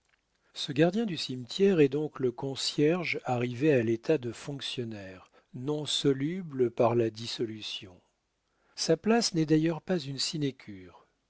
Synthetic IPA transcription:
səɡaʁd̪jɛ̃d̪ysimt̪jɛʁɛd̪ɔ̃kləkɔ̃sjɛʁʒaʁivealet̪ʰad̪əfɔ̃ksjɔnɛːʁ | nɔ̃sɔlybləpaʁlad̪isɔlysjɔ̃ | saplasnɛd̪ajœʁpazynsinekʲʰyːʁ

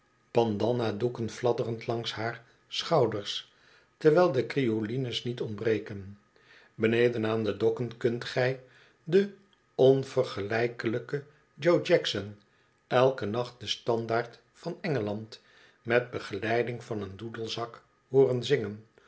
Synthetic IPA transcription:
b̥ɑndɑnadukənflɑdərəntlɑŋshaːɹ | sχɑwdəɹs | təɹʋɛːlˠdəkriolinəsnitɔndbrejkən | bənejdənaːndədɔkənkɵntχɛj | də | ɔnv̥ərχəlɛjkələkə | d͡ʒowd͡ʒɛksən | ɛlˠkənɑχt̚dəstɑndaːɹt | fɑnɛŋəlɑnt | mɛt̚bəχəlɛjdɪŋvɑnəndudəlˠzɑk | ɦʊːrənzɪŋən

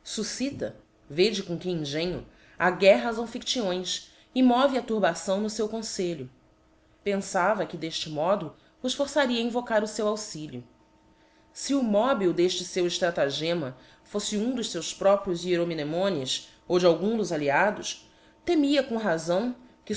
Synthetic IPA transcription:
susit̪ɐ | ved͡ʒɪkõkɪĩŋʒẽɲʊ̰ | aɡɛɦɐsɐ̃w̃fikt͡ʃiõj̃s | ɪmɔvɪɐt̪uɾbasɐ̃w̃nʊsewkõseʎʊ | pẽsavɐkɪd̪eʃt͡ʃɪmɔd̪ʊ | ʊʃfoɾsaɾiɐĩvokaɾʊsewawsiʎʊ | sɪʊmɔbiwd̪eʃt͡ʃɪsewɪʃt̪ɾat̪aʒẽmɐ | fosɪũd̪ʊʃsewspɾɔpɾjʊzieɾominemõnis | owd͡ʒɪawɡũd̪ʊzaliad̪ʊs | t̪emiɐkõɦazɐ̃w̃kɪ

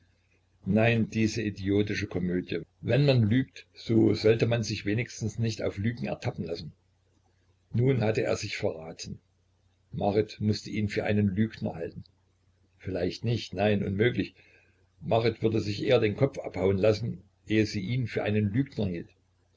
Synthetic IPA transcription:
naɪnd̥iːzəidioːtɪʃəkʰɔmøːdjəvɛnmanlyːktz̥oːzɔltəmanzɪçv̥eːnɪçstn̩snɪçta̰ʊflyːɡŋ̩ɛ̰ɐtʰapn̩lasn̩ | nuːnhatəʔḛːɐzɪçfɛɐʁaːtʰən̩ | maʁɪtmʊstəʔiːnfyːɐʔa̰ɪnənlyːɡnɐ̰haltn̩ | fɪlaɪçtnɪçtnaɪnʔʊ̰nmøːklɪç | maʁɪtv̥ʏɐdəzɪçʔeːɐdeːnkʰɔp͡fʔa̰phaʊənlasn̩ | ʔeːəziːʔiːnfyːɐʔa̰ɪnənlyːɡnɐhiːlt

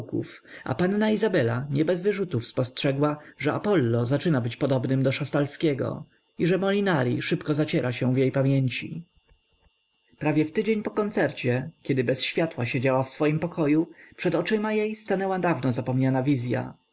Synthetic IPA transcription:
kṵfa̰panːaizabɛlaɲɛbɛzvɘʐut̪ufspɔstʂɛɡwaʐɛa̰pɔlːɔzat͡ʂɘnabɘt͡ɕpɔd̪ɔbnɘmd̪ɔʂast̪alskʲɛɡɔ̰ | iʐɛmɔlʲinaɾʲiʂɘpkɔzat͡ɕɛɾʔaɕɛ̃vjejpamʲjeɲt͡ɕḭ | pɾavʲjɛft̪ɘd͡ʑeɲpɔkɔnt̪sɛɾt͡ɕɛkʲɛd̪ɘbɛsɕfʲjat̪waɕed͡ʑawafsfɔjimpɔkʰɔjupʂɛd̪ɔt͡ʂɘmajejst̪anɛwad̪avnɔzapɔmɲanavʲizʲja̰

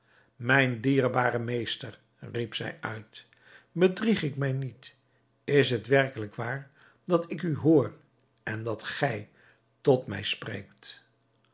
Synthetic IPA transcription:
mɛjndiːɹbaːɾəmejstər | ripsɛ̰jœ̰ɥt | bədriχɪkmɛjnit | ɪsɦətʋɛrkələkʋaːɹ | dɑtɪkyɦʊːr | ʔɛndɑtχɛj | tɔtmɛ̰jsprḛjkt

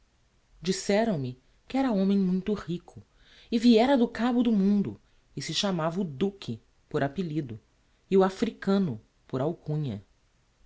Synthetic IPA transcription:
d͡ʒisɛɾɐ̃w̃mɪ | kɪɛɾɐõmẽj̃mũj̃t̪ʊhikʰʊ | ɪviɛɾɐd̪ʊkabʊd̪ʊmũnd̪ʊ̰ | ɪsɪʃamavɐʊd̪ukʰɪ | poɾapelid̪ʊ | ɪʊafɾikɐ̃nʊ | poɾawkũɲɐ̰

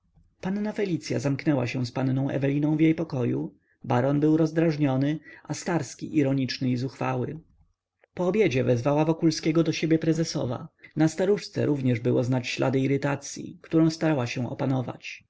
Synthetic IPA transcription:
panːafɛlʲit̪sʲja̰zamknɛwa̰ɕɛw̃spanːɔ̃w̃ʔɛ̰vɛlʲinɔ̃w̃vjejpɔkɔju | baɾɔnbɘwɾɔzd̪ɾaʐɲɔnɘʔast̪aɾskʲḭʔiɾɔɲit͡ʂnɘizuxfa̰wɘ̰ | pɔːbʲjed͡ʑɛvɛzvawavɔkulskʲeɡɔd̪ɔɕebʲjɛpɾɛzɛsɔ̰va̰nast̪aɾuʂt̪sɛ̰ɾuvɲɛʐbɘwɔznat͡ɕɕlʔa̰d̪ɘiɾɘt̪at̪sʲjḭkt̪uɾɔ̃w̃st̪aɾawaɕɛw̃ɔ̰panɔva̰t͡ɕ

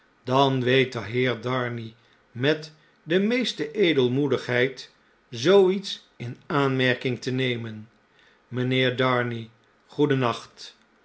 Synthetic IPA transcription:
dɑnʋejtəɦɪːɹdɑɹni | mɛt | dəmejstəʔejdəlˠmudəχɦɛjt | zowits | ɪnaːnmɛɹkɪŋtənejmən | mənɪːɹdɑɹni | χudənɑχt

